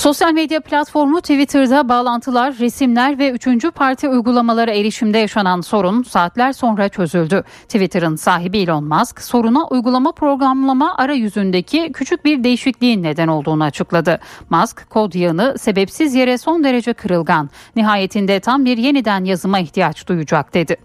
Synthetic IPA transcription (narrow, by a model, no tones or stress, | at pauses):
so̞sjalʲmed̪japlʲat̪fo̞ɾmut̪ʰivit̪ʰɯɾd̪abaːlˠant̪ʰɯlˠaɾːesimlʲæɾvɛyt͡ʃʰynd͡ʒypʰaɾt̪ʰiujɡulˠamalˠaɾaeɾiʃimd̪ɛjaʃananso̞ɾunsaːt̪lʲæɾso̞nɾat͡ʃʰø̞zylʲd̪y | t̪ʰivit̪ʰɯɾɯnsaːɦibiːlʲonmaskso̞ɾunaʔujɡulˠamapɾo̞ɡɾamlˠamaʔaɾajyzynd̪e̞cʰicʰyt͡ʃʰyc̚biɾd̪e̞jiʃiclʲiːnːe̞d̪æno̞lˠd̪uːnuat͡ʃʰɯklˠad̪ɯmaskʰːo̞d̪janɯse̞bɛpsizje̞ɾɛso̞nd̪e̞ɾe̞d͡ʒɛkʰɯɾɯlˠɡanːiɦaːje̞t̪ʰind̪ɛt̪ʰambiɾje̞nid̪ænjazɯmaiçt̪ʰijat͡ʃd̪̥ujud͡ʒak̚d̪̥e̞d̪ɪ